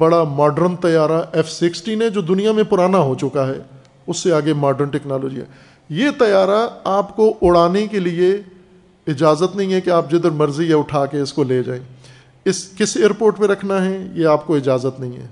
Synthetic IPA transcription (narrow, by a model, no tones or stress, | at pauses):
bɐɽamaːɖəɾnt̪ɐjaːɾaʔɛfsɪksʈiːnɦɛ̃d͡ʒoːd̪ʊnijamẽpʊɾaːnaɦot͡ʃʊkaɦɛː | ʊsːeaːɡemaːɖəɾnʈɛknaːloːd͡ʒḭɦɛ̰ː | jet̪ɐjaːɾaaːpkoʔʊɽaːnekelie | ɪd͡ʒaːzət̪nɐɦĩɦɛkeaːp̚d͡ʒɪd̪əɾmɐɾzieʊʈʰaːkeɪskoleːd͡ʒa̰ːẽː | ɪskɪseːɾpoːɾʈpẽɾɐkʰnaɦɛjeaːpkoɪd͡ʒaːzət̪nɐɦĩɦɛ̰ː